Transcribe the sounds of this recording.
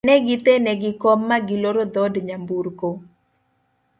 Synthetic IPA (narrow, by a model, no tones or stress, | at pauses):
nɛɡɪt̪enɛɡɪkɔmːaɡɪloɾod̪ɔdɲambuɾko